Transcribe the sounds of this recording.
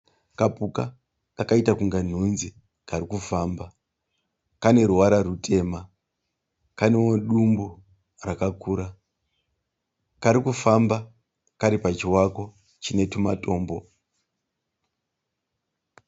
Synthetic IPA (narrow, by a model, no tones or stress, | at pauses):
kapuka | kakaitakuŋɡan̤unzi | kaɾikufaːmba | kane̞ɾuwaɾaɾutʰe̞ma | kanewoɗumbu | rakakuːɾa | kaɾikufamba | kaɾipat͡ʃiwako̞ | t͡ʃine̞tumato̞ːmbo̞